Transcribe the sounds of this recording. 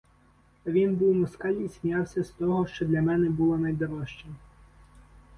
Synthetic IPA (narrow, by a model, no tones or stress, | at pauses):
ɐʋʲinbuwmɔskɑlʲisʲmʲjɑwsʲɐst̪ɔɦɔʃt͡ʃɔd̪lʲɐmɛnɛbulˠɔnɐjd̪ɔɾɔʃt͡ʃɛ